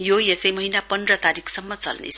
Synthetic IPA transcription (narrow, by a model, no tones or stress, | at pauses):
jojesʌjmʌɦinapʌnd̪rʌt̪aɾikʰsʌmːʌt͡sʌ̰lnḛsʰ